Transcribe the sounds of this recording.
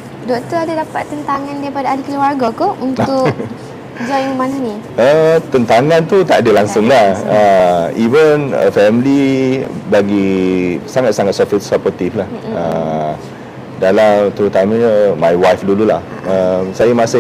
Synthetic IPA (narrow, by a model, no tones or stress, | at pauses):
dɔkt̪əadadapat̪ːənt̪aŋãndaɾipadaːdikəluarɡakount̪ʊʔ | d͡ʒajməmananiət̪ənt̪aŋãnt̪ut̪aʔdəlaŋsʊŋlahəivənə̰fɛmli | baɡisaŋat̪̚saŋat̪̚sɔsapɔt̪iflahə | dalamt̪əɾut̪amaɲəmajwajfdululah | əmsajamasɪ